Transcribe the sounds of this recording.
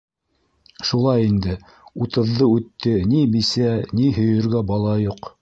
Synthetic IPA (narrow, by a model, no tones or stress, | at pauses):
ʃulˠɑjind̪ɘ | ut̪ɤ̆ðːɤʉt̪ːɘnimisæniɦɵ̆jɵ̆ɾɡæbɑlˠɑjuq